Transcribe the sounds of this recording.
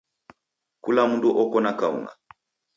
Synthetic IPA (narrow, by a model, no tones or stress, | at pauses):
kulamunduʔɔkɔnakaṵŋa̰